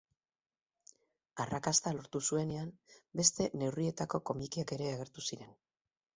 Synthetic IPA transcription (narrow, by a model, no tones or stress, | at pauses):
arakast̪alo̞ɾt̪usue̞ne̞ambe̞st̪e̞ne̞wrie̞t̪ako̞ko̞mikiake̞ɾe̞aɣ̞e̞ɾt̪usiɾe̞n